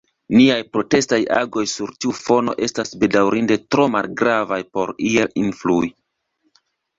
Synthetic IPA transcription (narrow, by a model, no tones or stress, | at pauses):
niajpɾo̞te̞staja̰ɡo̞jsuɾtiufo̞no̞̰ʔe̞stasbe̞dawɾinde̞tɾo̞malɡɾavajpo̞̰ɾielinflui